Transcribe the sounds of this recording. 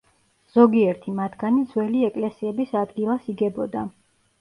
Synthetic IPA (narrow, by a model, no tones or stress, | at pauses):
z̥ɔɡiɛɾt̪ʰimat̪ʰɡ̥anid̪zwɛliɛkʼlɛsiɛbisad̪ɡilˠasiɡɛbɔd̪a